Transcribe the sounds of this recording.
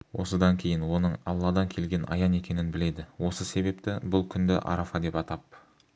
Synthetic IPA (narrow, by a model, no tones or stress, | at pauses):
wʔo̞səd̪ɑŋkʲʰe̞jɪnwo̞nəɴɑlˠːɑd̪ɑŋkʲʰe̞lɡʲe̞nʔɑ̰jɑne̞kʲe̞nɪnbɪle̞d̪ɪwo̞səse̞be̞pt̪ɪbʊlˠkʲʰʏnd̪ɪ̰ʔɑ̰ɾafɑd̪e̞pɑt̪ɑp